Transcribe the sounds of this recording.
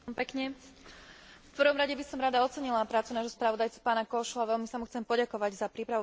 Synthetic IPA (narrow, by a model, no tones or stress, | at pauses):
mpɛkɲɛ | fpr̩ʋɔmɾaɟɛbisɔmɾad̪aɔt͡sɛɲilapɾaːt͡sunaːʒɦɔspɾaʋɔd̪ajt͡su̥paːnakɔʃuaʋɛlmisamuxt͡sɛmpɔɟakɔʋaɟzapɾiːpɾaʋu